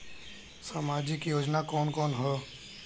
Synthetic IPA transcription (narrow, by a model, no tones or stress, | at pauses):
saːmaːd͡ʒikijoːd͡ʒnakɔːnkɔːnɦɛː